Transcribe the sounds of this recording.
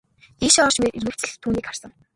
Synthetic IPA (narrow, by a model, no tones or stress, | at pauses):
iʃɔːʃmetirɣɘ̆w̥t͡sɘ̆ɮt̪ʰːuːniːkχar̥sə̆ŋ